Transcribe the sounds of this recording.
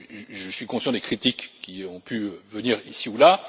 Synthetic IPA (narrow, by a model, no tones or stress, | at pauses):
ʒəsɥikɔ̃sjɑ̃d̪ekχit̪ikːʲiɔ̃pyvəniʁisiula